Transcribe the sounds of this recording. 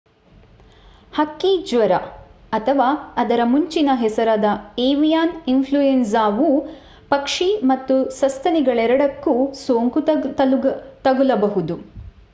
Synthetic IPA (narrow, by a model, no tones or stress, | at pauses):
hɐkːid͡ʒʋɐɾɐ | ɐt̪ʰɐʋaːɐd̪ɐɾɐmuɲt͡ʃinɐɦɛsɐɾaːd̪ɐeːʋijaːninpʰluensaːʋu | pɐkʂimɐt̪ːusɐst̪ʰɐniɡɐɭɛɾɐɽɐkːusoːŋkut̪t̪ɐɡulɐbɐɦud̪u